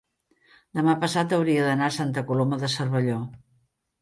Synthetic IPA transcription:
d̪əmapəsat̪əwɾiəðənaəsant̪əkuloməðəsərβəʎo

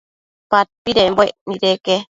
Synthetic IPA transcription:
pat̪̚piɾemboeʔniɾeke

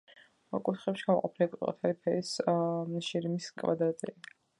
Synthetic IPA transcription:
kʼut̪χɛpʃi̥ɡamɔ̰qʼɔpʰilikʼqʼɔ̰t̪ʰaɾipʰɛis | ʃiɾimiskʼva̰d̪ɾat̪ʼḭi

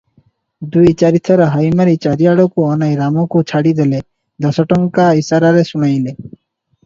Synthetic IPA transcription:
d̪ujt͡ɕaɾit̪ʰːɔɾaɦajmaɾit͡ɕaɾiaɽokuɔnajɾamokut͡ɕʰaɽid̪ele | d̪ɔsɔʈɔŋkaisaɾaɾeʃunajle

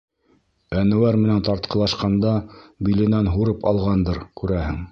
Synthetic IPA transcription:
ænɘ̆wæɾmɘ̆nænt̪ɑɾt̪̚qɤ̆lˠɑʃqɑnd̪ɑbilɘ̆nænɦuɾɤpɑ̰lˠʁɑnd̪ɤɾkʉɾæhɘ̰ŋ

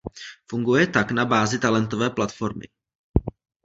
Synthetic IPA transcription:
fuŋɡujɛt̪aknabaːzɪt̪alɛnt̪ovɛːplat̪fo̞ɾmɪ̰

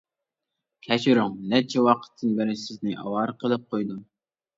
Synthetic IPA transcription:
kʲʰɛt͡ʃʰiɾuŋlɛt͡ʃʰɛwɑqʰə̥t̪ʰːɨnbɪɾɪsɪznɪʔɑ̰wɑɾqʰəlˠɨp̚qʰojd̪um

